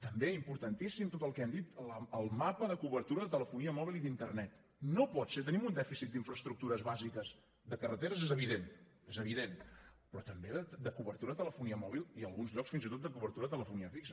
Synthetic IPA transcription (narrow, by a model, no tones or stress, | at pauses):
t̪əmbeimpuɾt̪ənt̪isimt̪ot̪əlˠkɛmd̪it̪ləəlˠmapəðəkuβəɾt̪uɾəðət̪ələfuniəmɔβilˠiðint̪ərnɛt̪ | nopɔt̪set̪ənimund̪ɛfisit̪̚d̪iɱfɾəst̪ɾuk̚t̪uɾəzβazikəz | d̪əkərət̪eɾəzezəβ̞iðen | ezəβ̞iðenpɾɔt̪əmbeðəd̪əkuβəɾt̪uɾəət̪ələfuniəmɔβ̞ilˠiəlˠɣunzʎɔksfinzit̪ot̪̚d̪əkuβəɾt̪uɾəðət̪ələfuniəfiksə